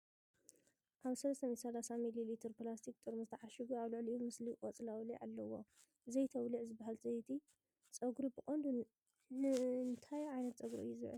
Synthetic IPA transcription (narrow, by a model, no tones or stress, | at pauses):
ʔaβsɐlɐst̪ʰɐmit̪sɐlasamililit̪ʰɐɾplast̪ʰik̚t̪ʼɨɾmuzɨt̪ʰɐʕaʃiɡuaβlɨʕliʔumɨslikʼɔt͡sʼlawliʕa̰lːɐwo | zɐjt̪ʰɐwliʕzɨbahalt͡sʼɐjt̪ʰi | t͡sʼɐɡɾubɨkʼond̪u | nɨnt̪ʰajʕajnɐt̪̚t͡sʼɐɡɾṵʔɨ̰jːuzɨβʕɨ̰l